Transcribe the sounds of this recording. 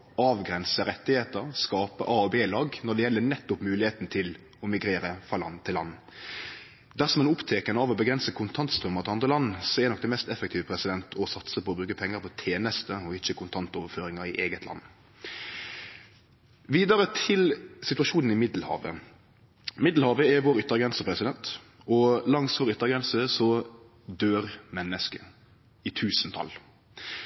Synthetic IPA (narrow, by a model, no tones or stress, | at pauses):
ɑːʋɡɾɛnsəɾɛt̪ːɪheːt̪əʁskɑːpə̰ʔɑːɔbeːlɑːɡnɔd̪ɛjɛlːənɛt̪ːʊpmʉːlɪheːt̪nt̪ʰɪl | ɔmɪɡɾeːɾəfʁɑlɑ̰nt̪ʰɪlːɑ̰n | d̪æʁsɔmɛnʊpt̪ʰeːkənəɑːʋɔbəɡɾɛnsəkʰʊnt̪ʰɑnt̪st̪ʁœmːɑʁt̪ɪɑnd̪ʁəlɑnːsɔɛdɛnɔk̚d̪ɛmɛst̪ɛfək̚t̪ʰiːʋəpʰɾɛsɪd̪ɛnt̪ʰɔsɑt̪səpʰɔɔbɾʉːɡəpʰɛŋːəɾpʰɔt̪ʰeːnəst̪əɔɪçːəkʰʊnt̪ʰɑnt̪ɔʋəɾføːɾɪŋɑɾɪʔeːɡət̪lɑ̰nː | ʋiːd̪ɑɾət̪ʰɪlsɪt̪ʉɑʃuːnn̩ɪmɪd̪l̩hɑ̰ːʋə̰ | mɪd̪l̩hɑːʋəɛʋoːɾʏt̪ːəɾɡɾɛnsəpʰɾɛsɪd̪ɛnt̪ | ɔlɑŋsʋoːɾʏt̪ːəʁɡɾɛnsəsɔ | d̪øːɾmɛnːəskə | ɪt̪ʰʉːsənt̪ʰɑ̰l